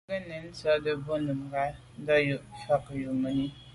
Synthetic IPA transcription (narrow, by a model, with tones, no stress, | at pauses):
ə˦ne˨n̩˦t͡sɔ˦də˦bo˦nu˨m˨ɡa˦ | n̩˦dɔ˦ju˨ʔfa˦kə˨ju˨ʔmə˨ni˦